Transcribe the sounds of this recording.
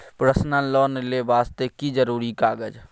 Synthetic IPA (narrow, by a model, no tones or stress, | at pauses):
pɾəsnãlɔːnlebaːst̪ekid͡ʒəɾuːɾikaːɡəd͡ʒ